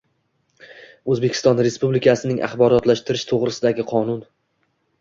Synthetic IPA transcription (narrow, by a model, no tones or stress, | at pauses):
ɵzbe̞kʲʰɪ̥st̪ɒnɾe̞spublɪkʰasɪnɪŋʔa̰χbɒɾɒt̪laʃt̪ɪɾɪʃt̪ʰoʁɾɪsɪd̪aɡʲɪqʰɒnʊn